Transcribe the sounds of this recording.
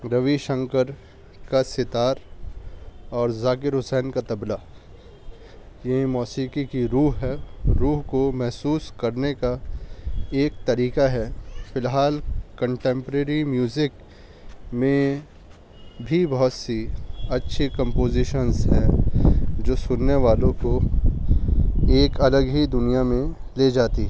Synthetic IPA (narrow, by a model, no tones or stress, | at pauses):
ɾɐʋiʃə̃ŋkəɾ | kasɪt̪aːɾ | ɔːɾzaːkɪɾɦʊsɛːnkat̪ɐbla | jɐɦĩmɔːsiːkikiɾuːɦɦɛɾuːɦkomɛɦsuːskɐɾneka | eːk̚t̪ɐɾiːkaɦɛːfɪlɦaːlkɐ̃ɳʈẽːmpɾeːɾimjuːzɪk | mẽ | bʱibɐɦʊt̪siɐtːʃʰekɐ̃mpoːzɪʃənzɦɛ | d͡ʒoːsʊnːeʋaːlõko | eːkɐləɡɦid̪ʊnijamẽ | led͡ʒaːt̪iɦ